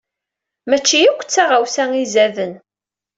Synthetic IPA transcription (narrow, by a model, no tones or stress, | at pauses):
mæt͡ʃːijukʷːə̥t͡sːaʁawsæŋizæðən